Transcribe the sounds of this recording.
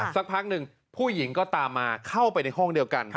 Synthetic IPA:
sa˨˦˥k̚pʰa˦˥k̚nɯ˨˩ŋ | pʰuː˥˩ji˩˦ŋkɔː˥˩t̪aː˧mːaː˧kʰa˥˩wpa˧jna˧jɦɔ˥˩ŋdi˧əwka˧n

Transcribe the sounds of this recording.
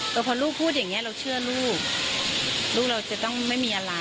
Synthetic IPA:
ʔɤː˧˩pʰɔː˧luː˥˩k̚pʰuː˥˩t̪̬̚ja˨˩ŋːi˦˥ɐ˧ɾa˧wt͡ɕʰɯ˥˩ɐluː˥˩k̚ | luː˥˩k̚la˧wt͡ɕa˨˩t̪ɔ˥˩ŋma˥˩jmiː˧ʔaː˧la˧

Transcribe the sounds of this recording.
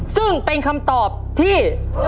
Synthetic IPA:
sɯ˥˩ŋpe˧nkʰa˧mt̪ɔː˨˩p̚t̪ʰiː˥˩

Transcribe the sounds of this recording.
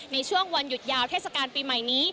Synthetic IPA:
na˧jt͡ɕʰu˥˩əŋwa˧nju˨˩t̪̚jaː˧wt̪ʰeː˥˩t̚sa˧kaː˧npiː˧ma˨˩jniː˦˥

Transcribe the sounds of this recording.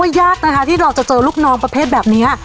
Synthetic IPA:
jaː˥˩k̚na˦˥kʰa˦t̪ʰiː˥˩ɾaː˧wt͡ɕa˨˩t͡ɕɤː˧luː˥˩k̚nɔː˦˧˥ŋpɾa˧pʰeː˥˩t̪̚bɛː˨˩p̚ni˦˥ɐ

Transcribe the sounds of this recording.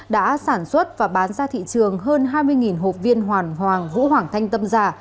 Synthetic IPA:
ɗa̰ː˧˥saː˧˩nswə˦˥t̚vaː˨˩ɓaː˨˦nzaː˧t̪ʰḭ˧˨t͡ɕɨ˨˩əŋɦəː˧nɦaː˧jmɨ˧əjŋi˨˩nɦo̰˨˩p̚vi˧ənɦwaː˨˩nɦwaː˨˩ŋvṵ˧˥ɦwaː˨˩ŋt̪ʰa˧jŋ̟t̪ə˧mzaː˧˩

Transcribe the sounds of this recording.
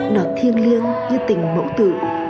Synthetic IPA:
ɗaː˨˩t̚t̪ʰi˧ənli˧ənɲɨ˧t̪ï˨˩ŋ̟mo̰˧˥wt̪ɨ̰˧˩˨

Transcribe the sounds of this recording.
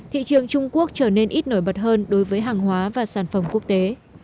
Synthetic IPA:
t̪ʰḭ˧˨t͡ɕɨ˨˩əŋt͡ɕʊ˧ŋ͡mku˦˥ək̚t͡ɕəː˧˩ne˧nʔi˦˥t̚no˧˩jɓə˨˩t̚ɦəː˧nɗo˨˦jvəː˨˦jɦaː˨˩ŋɦwaː˨˦vaː˨˩saː˧˩nfə˧˩mku˦˥ək̚t̪e˨˦

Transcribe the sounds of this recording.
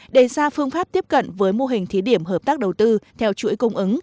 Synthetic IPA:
ɗe˧˩saː˧fɨ˧əŋfaː˦˥p̚t̪i˦˥əp̚kə̰˧˨nvəː˨˦jmo˧ɦï˨˩ŋ̟t̪ʰi˨˦ɗi˧˩əmɦəː˨˩p̚t̪aː˦˥k̚ɗə˨˩wt̪ɨ˧t̪ʰɛ˧wt͡ɕṵ˧˥əjkə˧wŋ͡mʔɨ˨˦ŋ

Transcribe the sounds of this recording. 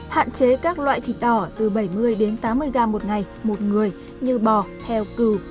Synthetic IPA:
ha̰ː˧˨nt͡ɕe˨˦kaː˦˥k̚lwa̰ː˧˨jt̪ʰḭ˧˨˩ɗɔ˧˩t̪ɨ˨˩ɓə˧˩jmɨ˧əjɗe˨˦nt̪aː˨˦mːɨ˧əjɣaː˧mo˨˩t̚ŋa˨˩j | mo˨˩t̚ŋɨ˨˩əj | ɲɨ˧ɓɔ˨˩t̪ʰɛ˧wkɨ˨˧˩

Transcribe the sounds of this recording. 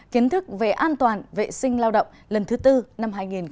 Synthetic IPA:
ki˨˦ənt̪ʰɨ˦˥k̚ve˨˩ʔaː˧nt̪waː˨˩nvḛ˧˨sï˧ŋ̟laː˧wɗə̰˧˨wŋ͡mlə˨˩nt̪ʰɨ˨˦t̪ɨ˧na˧mɦaː˧jŋi˨˩n

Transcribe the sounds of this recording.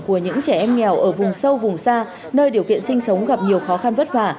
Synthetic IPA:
ku˧˩əɲɨ̰˧˥ŋt͡ɕɛ˧˩ʔɛ˧mŋɛ˨˩wʔəː˧˩vʊ˨˩ŋ͡msə˧wvʊ˨˩ŋ͡msaː˧ | nəː˧jɗi˨˩əwkḭ˧˨ənsï˧ŋ̟sə˨˦wŋ͡mɣa˨˩p̚ɲi˨˩əwxɔ˨˦xa˧nvə˦˥t̚fa̰ː˧˩˨

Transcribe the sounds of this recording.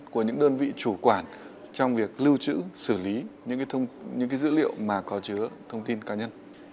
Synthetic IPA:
ku˧˩əɲɨ̰˧˥ŋɗəː˧nvḭ˧˨t͡ɕu˧˩kwaː˧˩n | t͡ɕɔ˧wŋ͡mvi˨˩ək̚lɨ˧wt͡ɕɨ̰˧˥sɨ˧˩li˨˦ɲɨ̰˧˥ŋkaː˨˦˧wŋ͡mɲɨ̰˧˥ŋkaː˨˦jzɨ̰˧˥lḭ˧˨əwmaː˨˩kɔ˨˦t͡ɕɨ˨˦ət̪ʰə˧wŋ͡mt̪i˧nkaː˨˦ɲə˧n

